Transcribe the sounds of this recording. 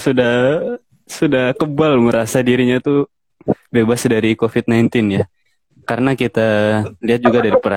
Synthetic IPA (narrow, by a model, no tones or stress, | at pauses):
sudah | sudahkəbalməɾasadiɾiɲat̪u | bebasdaɾikofɪt̪̚najnt̪ɪnja | kaɾənakit̪aliat̪̚d͡ʒuɡadaɾipəɾa